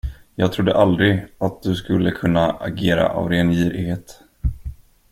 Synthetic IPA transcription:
jɑːɡt̪ʰɾʊd̪ːəʔald̪ɾɪat̪̚d̪ɵskɵlːəkʰɵnːaʔaɡeːɾa̰ʔa̰vɾeːnjiːɾɪheːt̪

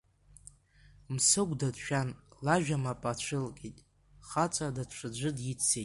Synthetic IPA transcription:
msɨɡʷʼdadʃᶣanlaʒᶣamapʼat͡ɕʷʰɨlkʼetʼ | χat͡sʼadaʈ͡ʂʷʰɨd͡ʒʷɨdjit͡sʰːejtʼ

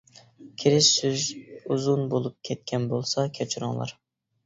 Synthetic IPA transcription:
kʲʰiɾɪʃsyzuzunbolˠup̚kʲʰɛt̪̚kʲʰɛnbolˠsɑkʲʰæt͡ʃʰyɾɪ̰ŋlˠɑ̰ɾ

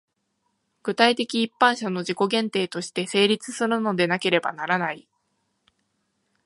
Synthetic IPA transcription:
ɡ̥ɯ̟t̪ait̪e̞kʲiːpːãɰ̃ɕano̞ʑiko̞ɡẽ̞nt̪e̞ːt̪o̞ɕi̥t̪e̞se̞ːɾʲit͡sɨ̥sɨɾɯ̟no̞d̪e̞nake̞ɾe̞ba̰naɾanai

